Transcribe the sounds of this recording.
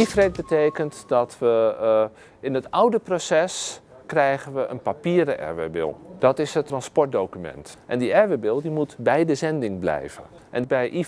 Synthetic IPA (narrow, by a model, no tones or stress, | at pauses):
ifrɛt̚bəteːkəntdɔtʋə | ɪnətɔwdəprosɛs | krɛjɣənʋəʔə̰npapiːɾəʔɛ̰ɹʋɛ̰bɪ̰lˠd̥ɔtɪsɦətːrɑnspɔɹt̚dowkymɛ̰ntʔɛndiɛɹʋebɪlˠdimutbɛjdəzɛndɪŋblɛ̰jvə̰n | ʔɛnbɛjʔi